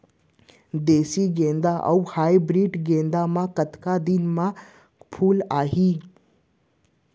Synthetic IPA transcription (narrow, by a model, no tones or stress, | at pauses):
d̪eːsiɡẽːnd̪aʔɐ̰whaːibɾiːʈɡẽːnd̪amãkət̪kad̪ɪnmã | pʰuːlaːɦiː